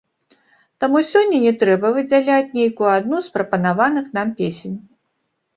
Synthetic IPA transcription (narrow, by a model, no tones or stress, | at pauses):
t̪amusʲɔnʲːɐnʲɛt̪ɾɛbɐvɨd͡zʲalʲat͡sʲnʲejkujuad̪nuspɾɐpɐnavanɨxnampʲesʲenʲ